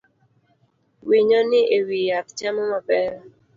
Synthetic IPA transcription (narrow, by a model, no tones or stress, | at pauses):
wiɲɔnɪʔewijakt͡ʃamɔmapɛɾɔ